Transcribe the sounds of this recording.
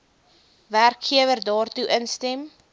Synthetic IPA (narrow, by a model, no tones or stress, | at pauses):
værkχiəvərdɑːrtuʔənstɛm